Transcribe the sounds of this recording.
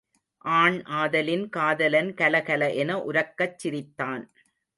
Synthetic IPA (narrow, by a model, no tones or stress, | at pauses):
ʔaːɳʔaːðɐlɪnkaːðɐlɐnkɐlɐkɐlɐʔɛnɐʔʊɾɐkːɐt͡ʃːɪɾɪt̪ːaːn